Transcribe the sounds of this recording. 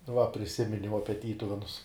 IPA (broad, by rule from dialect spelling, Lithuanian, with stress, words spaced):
ʋɐ pʲrʲɪˈsʲɪmʲɪnʲɛʊ ˈɑːpʲiɛ ˈtʲiːtʊʋʲɛnʊs